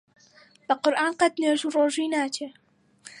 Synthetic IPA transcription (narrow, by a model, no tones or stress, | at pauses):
b̥ɐqʊɾʔaːnqɐt̪̚neːʒuːroːʒiːnaːt͡ʃʰeː